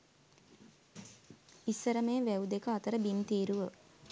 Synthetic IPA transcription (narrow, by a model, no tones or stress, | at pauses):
isəɾəmeːʋæwd̪ekəɐt̪əɾəbimt̪iːɾuʋə